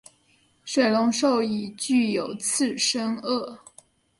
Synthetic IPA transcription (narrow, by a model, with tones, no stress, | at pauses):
ʂwe˥˩ɪlʊ˧˥ŋʂo˥˧ʊi˨˩t͡ɕy˥˩jo˨˩ʊt͡sʰɹ̩˥˩ʂə˥ŋɤ˥˩